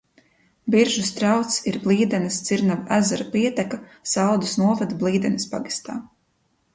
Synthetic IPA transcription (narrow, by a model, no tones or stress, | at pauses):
biɾʒust̪ɾawt̪siɾblˠiːd̪ɛnist̪siɾnavæzaɾapiɛt̪ɛkasawd̪usnuɔvad̪blˠiːd̪ɛnispaɡi̥st̪a̰ː